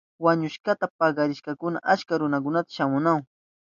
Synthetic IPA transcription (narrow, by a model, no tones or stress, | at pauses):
waɲʊʃkat̪apɑɢɑɾɪʃkɑkʊna̰ʔat͡ʃkaɾʊnakʊnat̪ḁʃamʊnaw